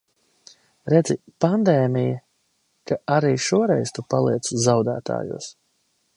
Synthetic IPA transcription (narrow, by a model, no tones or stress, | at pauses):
ɾɛd̪zipand̪ɛːmija | kaʔaɾiːʃuɔɾɛjzt̪upalˠiɛt̪szawd̪æ̰ːt̪a̰ːjṵːs